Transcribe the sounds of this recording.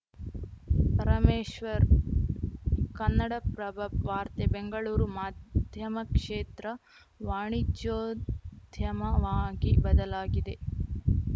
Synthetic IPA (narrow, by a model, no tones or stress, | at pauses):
pɐɾɐmeːʃʋɐɾ | kɐnːɐɽɐpɾɐbʱɐʋaːɾt̪ebeŋɡɐɭuːɾumaːd̪ʱjɐmɐkʂeːt̪ɾɐ | ʋaːɳid͡ʒjoːdd̪ʱjɐmɐʋaːɡibɐd̪ɐlaːɡid̪e̞